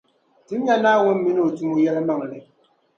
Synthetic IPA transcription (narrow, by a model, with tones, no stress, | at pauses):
ti˦m˦ja˦naː˦wo˦m˦mi˦nɨ˦o˨tu˦ŋo˦jɛ˦lɨ˦ma˨ŋ˨nɨ˨